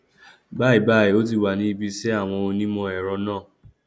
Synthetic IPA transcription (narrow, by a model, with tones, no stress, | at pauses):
ba˦˨i˨ba˦˨i˨o˦t̬i˧˨wa˨nĩ˧i˧bi˧sɛ˦a˦˨w̃ɔ̃˧o˧nĩ˦mɔ̃˧ɛ˨ɾɔ̃˨˦nãː˦˨